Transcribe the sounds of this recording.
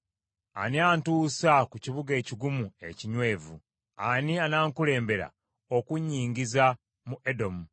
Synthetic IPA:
a̰niaːntuːsakuciβuɡe̞ːciɡumue̞ciɲwe̞ːvu | anianaːŋkule̞ːmbe̞ɾa̰ | okuɲːiːɲɟiza | muʔedo̞mu

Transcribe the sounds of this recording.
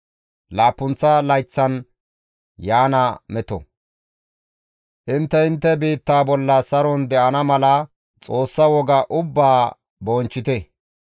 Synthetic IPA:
laːpːʊnt͡sːɐlɐjt͡sːɐn | jaːnɐmɛt̪ɔ̰ | ʔɪnt̪ːɛɪnt̪ːɛbiːt̪ːaːbɔlːɐsɐɾɔnd̪ɛʔɐnɐmɐlɐ | t͡sʼo̞ːsːɐwɔɡɐʔʊbːaː | bɔːnt͡ʃːɪt̪ɛ

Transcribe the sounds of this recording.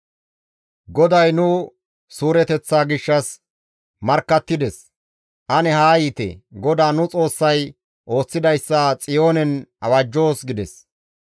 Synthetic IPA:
ɡɔd̪ɐjnʊ | suːɾɛt̪ɛt͡sːaːɡɪʃːɐs | mɐɾkːɐt̪ːɪd̪ɛs | ʔɐnɛhaːjiːt̪ɛ̰ɡɔd̪aːnʊt͡sʼo̞ːsːɐj | ʔo̞ːt͡sːɪd̪ɐjsːat͡sʼɪjo̞ːnɛnɐwɐd͡ʒːo̞ːsɡɪd̪ɛs

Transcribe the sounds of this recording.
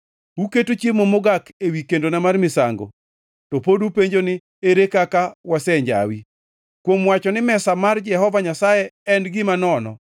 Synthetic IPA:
uketot͡ʃjemomoɡakewikendonamarmɪsaŋɡo̰ | tɔpodupeɲd͡ʒonɪ | eɾekakawasɛɲd͡ʒa̰wi | kwomwat͡ʃɔnɪmɛsamard͡ʒɛhɔvaɲasajɛɛnɡɪmanɔnɔ̰

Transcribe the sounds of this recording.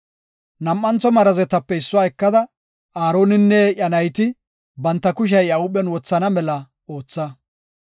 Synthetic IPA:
nɐmːɐnt͡sɔmɐɾɐzɛt̪ɐpːɛɪsːʊwaːɛkːɐd̪ɐ | aːɾo̞ːnɪnːɛʔjɐnɐjt̪ɪ | bɐnt̪ːɐkʊʃ̬ɐjɐʊɓɛnwɔt͡sːɐnɐmɛlɐ | o̞ːt͡sːɐ

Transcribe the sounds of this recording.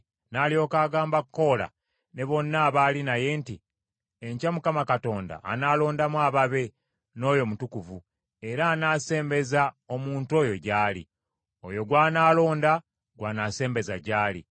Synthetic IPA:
naːlio̞kaːɡaːmbakːo̞la̰ | ne̞βo̞nːaːβaːlinaje̞nti | eɲcamukamakato̞ːnda̰ːnaːlo̞ːndamwaːβaβe̞ | no̞ːjo̞mutukuvu | e̞ɾaːnaːse̞ːmbe̞za | o̞muːntuo̞ːjo̞ɟaːlḭ | o̞jo̞ɡwaːnaːlo̞ːnda | ɡwaːnase̞ːmbe̞za̰ɟaːlḭ

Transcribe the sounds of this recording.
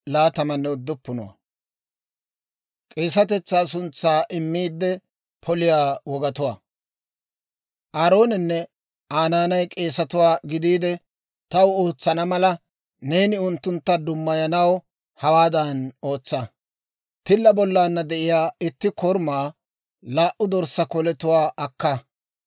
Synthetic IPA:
laːt̪ɐmɐnːɛʊd̪ːʊpːʊnʊ̰wɐ̰ | kʼe̞ːs̬ɐt̪ɛt͡sːaːs̬ʊnt͡sːaːʔɪmːiːd̪ːɛ | pʰɔlɪjaːwɔɡɐt̪ʊwaː | ʔaːɾo̞ːnɛnːɛ | ʔaːnaːnɐjkʼe̞ːsɐt̪ʊwaːɡɪd̪iːd̪ɛ | t̪ɐwoːt͡sːɐnɐmɐlɐ | ne̞ːnɪʊnt̪ːʊnt̪ːɐd̪ʊmːɐjɐnɐw | hɐwaːd̪ɐno̞ːt͡sːa | t̪ɪlːɐbɔlːaːnːɐd̪ɛʔɪjaːɪt̪ːɪkɔɾmaː | laːʔʊd̪ɔɾsɐkɔlɛt̪ʊwaːʔɐkːɐ

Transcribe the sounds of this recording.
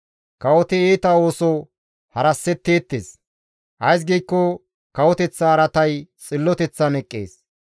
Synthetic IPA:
kɐwɔt̪ɪeːt̪ɐo̞ːsɔ | hɐɾɐsːɛt̪ːeːt̪ːeːs | ʔɐjs̬ɡijkːɔ | kɐwɔt̪ɛt͡sːɐːɾɐt̪ɐjt͡sʼɪlːɔt̪ɛt͡sːɐnɛkʼːḛːs

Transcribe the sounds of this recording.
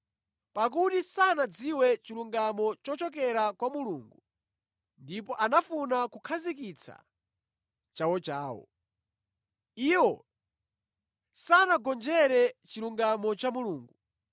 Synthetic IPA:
pak̬utisanad͡ziwɛt͡ʃiluŋɡamɔt͡ʃɔt͡ʃɔkɛɾakwamuluːŋɡu | ndipɔʔanafunakukʰazikit͡sʰa̰ | t͡ʃawɔt͡ʃaːwɔ̰ | iwɔ | sanaɡɔnd͡ʒɛɾɛt͡ʃiluŋɡamɔt͡ʃamuluːŋɡu

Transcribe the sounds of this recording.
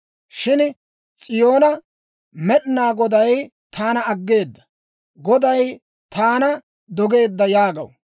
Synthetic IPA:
ʃɪn | t͡sʼɪjo̞ːnɐ | mɛɗnaːɡɔd̪ɐj | t̪ʰaːnɐɐɡːe̞ːd̪ːɐ̥ | ɡɔd̪ɐj | t̪aːnɐ | d̪ɔɡe̞ːd̪ːɐjaːɡɐ̰w

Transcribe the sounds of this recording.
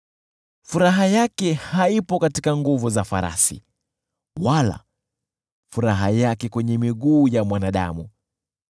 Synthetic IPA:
fuɾaɦajakɛhaipɔkatikaŋɡuvuzafa̰ɾa̰sḭ | wala̰ | fuɾaɦajakɛkwɛɲɛmiɠuːjamwanaɗa̰mu

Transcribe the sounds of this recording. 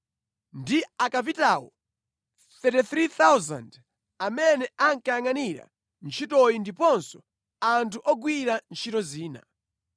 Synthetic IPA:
ndiakapitawɔ̰ | θɛtiθɾiθawza̰nd | amɛnɛʔaŋkajaŋaniɾa̰ | n̩t͡ʃʰitɔjindipɔnsɔ̥ | antʰuʔɔɡwiɾant͡ʃʰitɔziːna̰

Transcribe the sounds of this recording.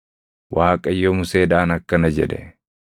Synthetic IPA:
wʔaːkʼɐjːomʊse̞ːd̪aːnɐkːɐnɐd͡ʒɛ̰d̪ɛ̰

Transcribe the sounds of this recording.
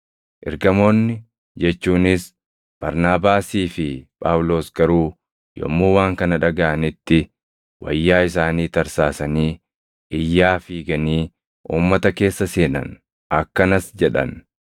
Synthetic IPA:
ʔɪɾɡɐmo̞ːnːɪ | d͡ʒɛt͡ʃːuːnɪs | b̥ɐɾnaːbaːsiːfɪpʼaːwlo̞ːsɡɐɾuː | jɔ̰mːuːwaːŋkɐnɐᶑɐɡaʔɐnɪt̪ːɪ | wɐ̰jːaːɪsaːniːt̪ɐɾsaːsɐniː | ɪjːaːfiːɡɐniː | ʔuːmːɐt̪ɐke̞ːsːɐse̞ːnɐ̰n | ɐkːɐnɐsd͡ʒɛᶑɐ̰n

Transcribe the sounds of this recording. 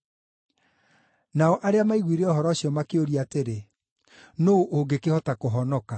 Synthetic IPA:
naɔʔaɾeamaiɣwiɾeɔɦɔɾɔːɕiɔmakeoɾiateɾe | noʔoŋɡekehɔtakoɦɔnɔka

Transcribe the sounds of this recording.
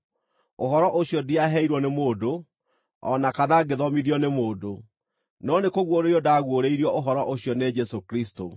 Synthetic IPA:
ohɔɾɔʔoɕjɔdiaɦɛiɾwɔnemoːdo | ɔnakanaɡeðɔmiðjɔnemoːdo | nɔnekoɣwoɾejɔdaɣwoɾeiɾiɔoɦɔɾɔʔoɕjɔned͡ʒɛsokɾisto

